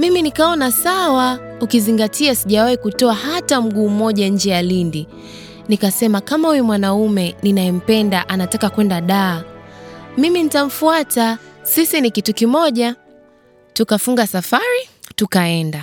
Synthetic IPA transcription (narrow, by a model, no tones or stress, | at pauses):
miminikaɔnasawa | ukiziŋɡatʰiasiʄawahikutɔahatam̩ɠuːmɔʄaɲ̩d͡ʒɛjalindi | nikasɛmakamauwɛmwanaumɛninaɛm̩pɛndaʔanatakakwɛndaɗaː | miminitam̩fuatasisinikitukimɔʄa | tukafuŋɡasafaɾitukaɛnda